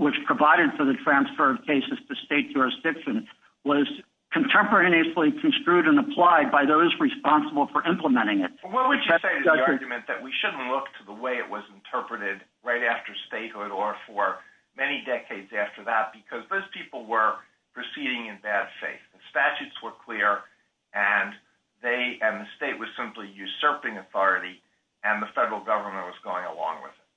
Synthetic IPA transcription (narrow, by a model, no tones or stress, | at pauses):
wət͡ʃpʰɹ̥əvaɪɾɨd̥fə˞ðɨtʰɹ̥æ̃nsfə˞ʌv̥kʰeɪsɨz̥tʰɨsteɪtɨəsɪksɨ̃n | wʌz̥ | kʰɨ̃n̩tʰɛ̃mpə˞ɛɾiɨslˠikʰn̩stɹ̥ʉɾɨ̃nəpʰl̥aɪd̚baɪðoʊzɹɨspɑ̃nsəbl̩ˠfə˞ʔɪ̃mpləmɛ̃ɾ̃ɪ̃ŋɪt̚wɛlˠwɨd͡ʒɨseɪɾɨʌɑɹɡjɨmɨ̃nðɨ̰ʔwiʃʊdⁿn̩ʔˡlʊk̚tʰəðəweɪɨ̰ʔwʌz̃n̩tʰɜ˞pɹɨɾɪd̚ | ɹaɪɾæftə˞steɪt̚hʊɾə˞fə˞ | mɛnidɛkʰeɪdzæftə˞ðət̚b̥ɨkʰʌzðoʊz̥pʰipl̩ˠwə˞ | pʰɹ̥ɨsiɾɪ̃ŋɨ̃nbæd̥fḛɪθðɨspæt͡ʃʉtswə˞kʰl̥ɪɹ | ɨ̃n | ðeɪʔɨ̃nðɨsteɪʔ̚wʌz̥sɪ̃mplijʉsɜ˞pɪ̃ŋɨθɔɹɨɾi | ɨ̃nðəfɛɾə˞l̩ˠɡʌvə˞mə̃nʔ̚wʌzɡoʊɪ̃ŋə̰lɔ̰̃ŋwɪ̰ðɪt̚